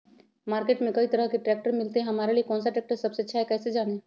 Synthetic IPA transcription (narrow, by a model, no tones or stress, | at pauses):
maːɾkeːʈmẽkəit̪əɾəɦkeʈɾɛːk̚ʈəɾmɪlt̪eɦɐmaːɾeliekɔ̃ːnsaʈɾɛːk̚ʈəɾsɐbset͡ʃʰaekɛːsed͡ʒaːne